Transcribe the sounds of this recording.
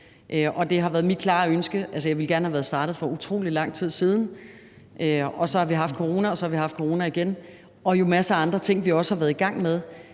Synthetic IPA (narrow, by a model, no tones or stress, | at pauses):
ʔʔɒ̽d̥e̝ɦɑ̈ʋæːɐð̞ˠmid̥̚kʰlɑ̈ːønsɡ̥əʔælsəjɑ̈ɪʋe̝lɡæɐnhæʋæːɐð̞̩ˠsd̥ɑ̈ːd̥ð̩ˠfɒ̽ut͡sʰʁo̝̰ːlilɑ̈ŋ̰t͡sʰið̰ˠsiːð̞ˠn̩ | ʔøɒ̽sɒ̽hɑ̈ʋiɦɑ̈fd̥̚kʰoʁo̝ːnæɒ̽sɒhɑ̈ʋihɑ̈fd̥̚kʰoʁo̝ːnæiɡ̥en | ɒ̽jo̝mæsəɑ̈nd̥ʁɐt͡sʰe̝ŋ̰ʋiɒ̽sə̥hɑ̈ʋæːɐðˠiɡ̥ɑ̈ŋ̰með̞ˠ